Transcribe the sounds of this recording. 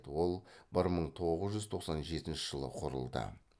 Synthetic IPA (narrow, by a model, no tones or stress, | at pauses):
t̪wo̞lˠbɪɾməɴt̪ʰo̞ʁəzʒʏzt̪ʰo̞qsɑnʒe̞t̪ɪnʃɪʒ̥əlˠə̰qʰʊɾə̰lˠd̪ə̰